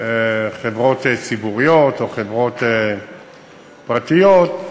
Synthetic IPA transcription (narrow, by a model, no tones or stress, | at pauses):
eχevʁo̞t̪et͡sibuʁijot̪o̞χevʁo̞t̪e | pʁat̪ijot̪